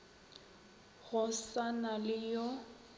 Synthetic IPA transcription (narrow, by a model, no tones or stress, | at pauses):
ɣʊsanalɪjɔ